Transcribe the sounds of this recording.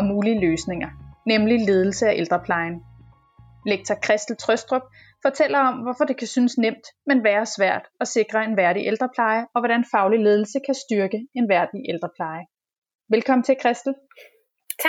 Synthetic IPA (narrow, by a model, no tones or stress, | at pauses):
ɒmuːliəløːsne̝ŋɐnemlile̝ːð̞ˠl̩səæʔeld̥ʁɐpʰlɑ̈ɪn | leɡ̥̚t͡sʰɐkʰʁɛsd̥l̩t͡sʰʁœsd̥ʁɔb̥̚ | fɒ̽t͡sʰel̰ɐɒ̽mʋɒfɒ̽d̥e̝kʰæsynəsnem̰d̥menʋæːɐsʋæɐ̰d̥ɒ̽se̝ɡ̥ʁɐe̝nʋæɐɾiʔeld̥ʁɐpʰlɑ̈ɪəɒ̽ʋɒɾænfɑ̈ʊlile̝ːð̞ˠl̩səkʰæsd̥yɐɡ̥əe̝nʋæɐd̥iʔeld̥ʁɐpʰlɑ̈ɪə | ʋelkʰɒ̽m̰n̩t͡sʰe̝lkʰʁɛsd̥l̩